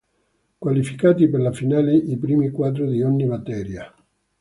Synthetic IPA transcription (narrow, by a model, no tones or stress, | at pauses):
kwalifikaːt̪iperlafinaːleʔipɾiːmikwad̪ɾʊd̪ioɲːimat̪ɛːɾja